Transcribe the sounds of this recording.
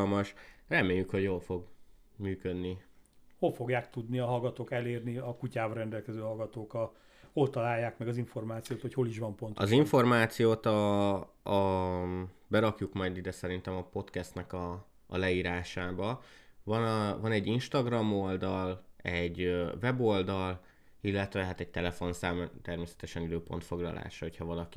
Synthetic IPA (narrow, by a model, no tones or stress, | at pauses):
lmɒʃrɛmeːjːykho̞ɟjoːlfo̞ɡ | myːkød̪niho̞lfo̞ɡjaːk̚t̪ud̪niɒɦɒlɡɒt̪oːkɛleːrniɒkucaːbɾɛnd̪ɛlkɛzøːɦɒlɡɒt̪oːkɒ | ho̞lt̪ɒlaːjːaːkmɛɡɒziɱfo̞rmaːt̪sijoːt̪ho̞cho̞liʃʋɒmpo̞nt̪ɒziɱfo̞rmaːt̪sijoːt̪ɒ | bɛɾɒkjukmɒjd̪id̪ɛsɛɾint̪ɛmɒpo̞t̪kɛst̪nɛkɒ̰ː | lɛiːɾaːʃaːbɒvɒnvɒnɛɟːinʃt̪ɒɡrɒmo̞ld̪ɒlɛɟːøvɛbo̞ld̪ɒl | ilːɛt̪ʋɛɦaːt̪ɛɟ̚t̪ɛlɛfo̞nsaːmt̪ɛrmeːsɛ̥t̪ɛʃɛnid̪øːpo̞nt̪fo̞ɡlɒ̰lʔa̰ːʃɒɦo̞chɒvɒlɒki